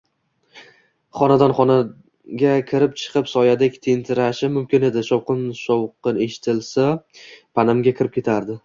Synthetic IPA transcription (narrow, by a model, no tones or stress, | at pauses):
χɒnad̪anχɒna | ɡʲakʲʰɪɾɪp̚t͡ʃʰɨ̥qʰɨpsɒjad̪ekʲt̪ʰent̪ʰɪɾaʃɪmʊmkʲɪne̞d̪ɪʃɒwqɨnʃɒwqɨne̞ʃɪ̥t̪ʰɪlsapʰanamɡʲakʲʰɪɾɪp̚kʲʰe̞t̪ʰaɾd̪ɪ